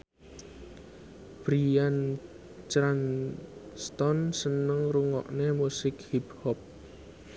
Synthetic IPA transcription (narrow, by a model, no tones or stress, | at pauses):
b̥ɾian | t͡ʃɾan | st̪ɔnsənəŋruŋɔ̰ʔnemusɪkhiphɔp̚